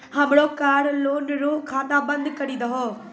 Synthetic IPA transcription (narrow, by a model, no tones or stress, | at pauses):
həmɽoːkaːɾloːnɾoːkʰaːnaːbə̃nd̪kəɾiːd̪əɦoː